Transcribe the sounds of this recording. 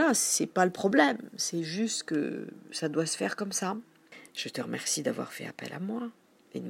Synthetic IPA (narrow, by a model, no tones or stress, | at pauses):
lassɛpaləpχɔblɛmsɛʒyst̪kə̰sad̪wasə̥fɛʁkɔmsa | ʒ̥ət̪əʁəmɛʁsid̪avwa̰ʁfɛ̰a̰pɛ̰lʔamwa | eə